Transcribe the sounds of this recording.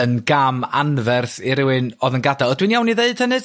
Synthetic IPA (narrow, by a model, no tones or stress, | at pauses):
ənɡamanvɛrθiɾɪwɨnɔðənɡadalˠɔdwinjawniðeɨd̥hɛnɨd̥